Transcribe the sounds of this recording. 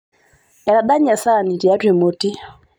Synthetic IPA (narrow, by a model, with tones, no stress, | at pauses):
ɛ˨ɾa˨ɗa˦ɲa˨sa˦˨ni˨ti˨a˦twe˨mo˨ti˦